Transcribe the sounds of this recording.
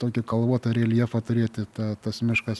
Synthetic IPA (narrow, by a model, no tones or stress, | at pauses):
t̪oːkʲɪkɐlˠʋuɔt̪oːɾʲelʲiɛfɐt̪ʊɾʲiːt̪ʲɪt̪ɑːt̪ɐsmʲɪʃkɐs